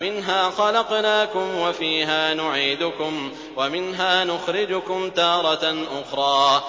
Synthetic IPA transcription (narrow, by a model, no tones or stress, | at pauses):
mɪnɦaːxɑlɑqnaːkʊmwafiːɦaːnʊʕiːd̪ʊkʊm | wamɪnɦaːnʊxɾɪd͡ʒʊkʊmt̪ɑːɾˤɑtʔʊxɾˤɑː